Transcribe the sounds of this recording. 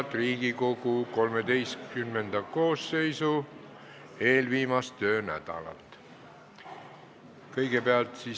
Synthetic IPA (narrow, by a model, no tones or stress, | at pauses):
t̪ˑriːɡ̥iko̞ɡ̥uko̞lmed̪e̞jstkymːend̪̥ɑko̞ːsːe̞jsu | e̞ːlviːmɑst̪ø̞ːnæ̰d̪̥ɑ̰lɑ̰lt̪ | kɤjɡepeɑlt̪si